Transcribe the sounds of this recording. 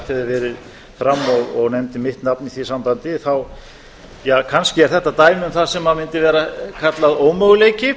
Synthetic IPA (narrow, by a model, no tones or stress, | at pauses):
t̪hɛðɪɾvɛːɾɪð | fɾamːɔɣɔɣnɛmt̪ɪmɪht̪napniθvisampant̪ɪθaw | jaːkʰanscɪɛɾ̥θɛht̪ːat̪aːjmʏmθaðsɛmhaðmɪnt̪ɪvɛːɾakʰat̪laðoːwmœɣleːjcɪ